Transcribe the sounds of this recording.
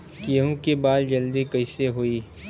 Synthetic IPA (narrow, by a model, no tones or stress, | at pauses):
kiɦũkibaːld͡ʒɐld̪ikɐɪseɦoiː